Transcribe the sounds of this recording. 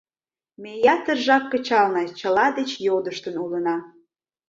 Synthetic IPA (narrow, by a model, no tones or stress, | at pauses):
mejɑt̪ərʒɑkːət͡ɕɑlnɑt͡ɕəlɑd̪et͡ɕjod̪əʃt̪ənulənɑ